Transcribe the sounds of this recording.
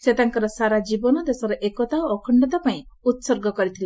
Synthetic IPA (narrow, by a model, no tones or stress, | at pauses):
set̪aŋkɔɾɔsaɾad͡ʒibɔnɔd̪esɔɾɔʔekɔt̪awɔkʰɔɳɖɔt̪apaĩ | ut̪sɔɾɡɔkɔɾit̪ʰile